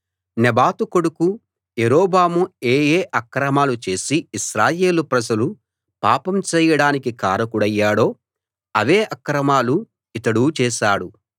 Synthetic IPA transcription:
nebaːt̪uko̞ɽuku | jeɾoːbaːmueːjeːʔɐkɾɐmaːlut͡ʃe̞ːsiiʃɾaːjeːlupɾɐd͡ʒɐlu | pa̰ːpɐmt͡ʃɛːjɐɽaːnikikaːɾɐkuɽɐjːaːɽo̞ː | ɐʋeːʔɐkɾɐmaːlu | it̪ɐɽuːt͡ʃɛːʃaːɽu

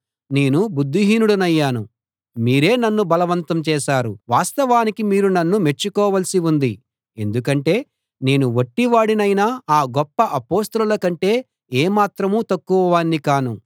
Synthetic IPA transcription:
ne̞ːnubud̪ʱːiɦiːnuɽɐnɐjːaːnu | miːɾe̞ːnɐnːubɐlɐʋɐnt̪ɐmt͡ʃɛːʃaːɾuʋaːst̪ɐʋaːnikimiːɾunɐnːume̞t͡ʃːukɔːʋɐlɐsiund̪i | e̞nd̪ukɐɳʈe̞ː | ne̞ːnuʋoʈːiʋaːɽinɐjnaːaːɡɔpːɐʔɐpoːst̪ɐlulɐkɐɳʈe̞ː | eːmaːt̪ɾɐmuːt̪ɐkːuʋɐʋaːnːikaːnṵ

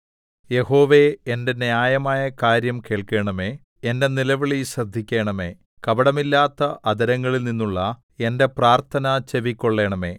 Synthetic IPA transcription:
je̞ho̞ːʋe̞ende̞njaːjɐmaːjɐkaːɾjɐmkeːɭke̞ːɳɐme̞ː | ende̞nilɐʋiɭiɕrɐd̪ʱːikʲːe̞ːɳɐme̞ː | kɐbɐɽɐmilːaːt̪ːɐʔɐd̪ɐɾɐŋːɐɭilninːuɭːɐ | e̞nde̞praːrt̪ʰɐnɐt͡ɕe̞ʋikʲːo̞ɭːe̞ːɳɐme̞̰ː

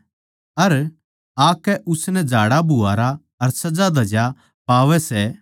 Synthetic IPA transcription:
ɐɾ | aːkːɛʔʊsnɛd͡ʒʱaːɽabʱuaːɾa | ɐɾsɐd͡ʒad̪ɐd͡ʒja | paːʋɛsɛ

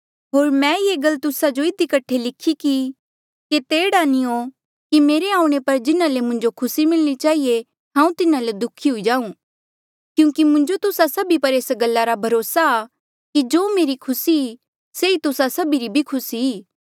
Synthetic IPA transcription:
ɦoːɾmɛ̃jeːɡɐlt̪ʊsad͡ʒoɪd̪ikɐʈʰelɪkʰiki | ket̪eːɽaːnio | kimeːɾeãːũɽ̃epɐɾd͡ʒɪnalemʊ̃ɲd͡ʒokʰʊsimɪlɽ̃it͡ʃaːɦie | ɦãːũt̪ɪnaled̪ʊkʰiɦʊid͡ʒaːũː | kjũːkimʊ̃ɲd͡ʒot̪ʊsasɐbipɐɾeːsɡɐlːaɾabʱɐɾoːsaː | kid͡ʒoːmeːɾikʰʊsi | seit̪ʊsasɐbiɾibʱikʰʊsiiː

